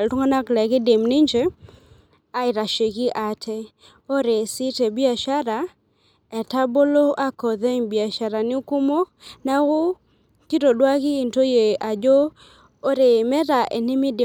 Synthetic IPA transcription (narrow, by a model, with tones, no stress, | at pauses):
ltu˦ŋa˦na˦klɛ˨kɪ˦de˨mnɪ˦ɲd͡ʒe˦ | a˦ɪ˨ɾa˨ʃe˨ki˦ʔa˨tʰɛ˦ | o˦ɾe˨sɪ˦te˨bi˦a˨ʃa˦ɾa˨ | ɛ˨ta˦bo˦lo˦ʔa˦kɔ˨ðɛ˦ŋbi˨a˨ʃa˨ɾa˨nɪ˦ku˦mo˦na˦ko˦ | ti˦ɾo˨dwa˦kɪː˦˨nto˦je˨a˨d͡ʒoː˦ | ɾe˨mɛ˦ɾa˨ʔe˨nɪ˦mɪ˦d